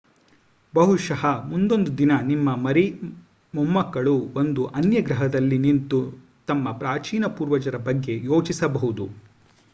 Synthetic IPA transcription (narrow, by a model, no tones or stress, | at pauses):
bɐɦuʃɐɦɐmund̪o̞nd̪ud̪inɐnimːɐmɐɾi | mumːɐkːɐɭuo̞nd̪uʔɐnjɐɡɾɐɦɐd̪ɐlːinint̪u | t̪ɐmːɐpɾaːt͡ʃiːnɐpuːɾʋɐd͡ʒɐɾɐbɐɡːe̞jo̞ːt͡ʃisɐbɐɦud̪u